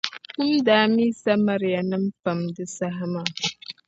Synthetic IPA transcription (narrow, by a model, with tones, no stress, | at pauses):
ku˦mdaː˨˦mi˦sa˦ma˨ɾja˨nɨ˦m˦fa˨mdɨ˦sa˦ɦa˦ma˨